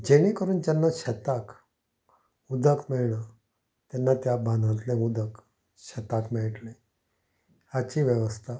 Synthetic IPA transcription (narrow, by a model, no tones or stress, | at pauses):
d͡ʑeɽ̃ẽkəɾuːnd͡ʑɛnːaɕɛt̪ak | ud̪əkmeɭɳa | t̪jɛnːat̪jabãnd̪ʱãt̪lẽud̪ək | ɕɛt̪akmeɭʈlẽ | at͡ɕiːʋjəʋəst̪ʰa